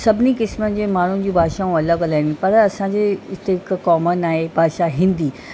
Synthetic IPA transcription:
sɐbʱɪnikɪsmən̆d͡ʑeːmaːɳ̤ʊnɪ̆d͡ʑĩːbʱaːʃaɦũɐləɡɐlaːɦɪ̃npɐɾɐsãɲd͡ʑeːɪst̪ekkɔːmənaːɦebʱaːʃaɦĩːn̆d̪iː

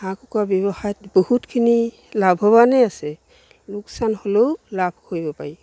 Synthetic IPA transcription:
ãkɔkabjɔbahajtbɔhutkʰini | labʱɦɔβanɛasɛ | luksanhololabʱkʰojbɔpaɹi

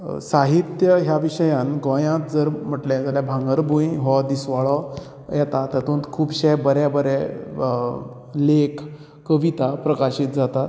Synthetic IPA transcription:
saɦit̪jəɦjaʋiɕəjãnɡɔ̃jãt̪̚d͡zəɾm̤əʈlẽd͡zaljabʱãŋɡəɾbũjɦɔd̪isʋaɭɔ | jɛt̪at̪ət̪ũːnt̪kʰuːbɕɛjbəɾabəɾɛ | lekʰ | kəʋit̪apɾəkaɕiːt̪̚d͡zat̪at̪

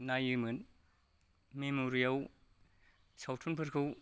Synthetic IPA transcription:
najɯmɯn | memoɾijaw | sawtʰunpʰɯɾkʰɯw

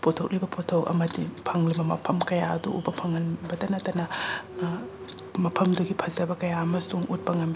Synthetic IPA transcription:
potʰok̚libɐpʰotʰokɐ̰mɐdipʰɐŋlibɐmɐpʰɐmkɐjaɐ̰dṵʔṵbɐpʰɐŋɐnbɐtɐnɐtɐnɐ | mɐpʰɐmduɡipʰɐzɐbɐkɐjaɐmɐsuŋut̚pɐŋɐnb

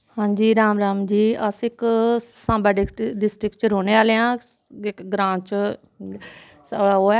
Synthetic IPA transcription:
hãːd͡ʒiːɾaːmɾaːmd͡ʒiːəsɪksãːmbaːɖɪɖɪsʈɾɪkt͡ʃɾoːneːaːleãː | ɪkɡɾãːt͡ʃ | səɽaːɦoː

